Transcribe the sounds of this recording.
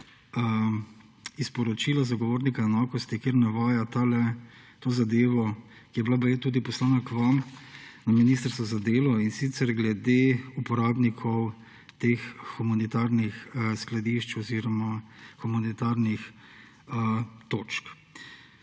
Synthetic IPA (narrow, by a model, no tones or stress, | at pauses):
ispɔɾɔt͡ʃilazaɡɔʋoːɾnikaɛnaːkɔst̪ikeːɾnaʋaːjat̪alɛ | t̪oːzad̪eːʋɔ | kijɛblabajet̪uːd̪ipɔslaːnakʋamnaminiːst̪əɾst̪ʋɔzad̪eːlɔinsit̪sɛɾɡlɛd̪eupɔɾaːbnikʰɔw | t̪exːumanit̪aɾnixsklad̪iʃt͡ʃɔziɾɔmaxumanit̪aɾnix | ət̪oːt͡ʃk